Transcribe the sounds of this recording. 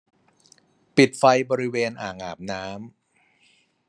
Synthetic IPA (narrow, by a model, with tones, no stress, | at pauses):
pi˨˩t̪̚fa˧jbɔː˧ɾi˦˥weː˧nʔaː˨˩ŋʔaː˨˩p̚naː˦˥m